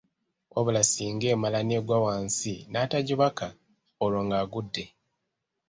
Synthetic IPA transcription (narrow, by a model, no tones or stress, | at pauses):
oβulasiːŋɡe̞ːmalaneɡwawaːnsinaːtaɟiβaka | oloŋɡaːɡudːe̞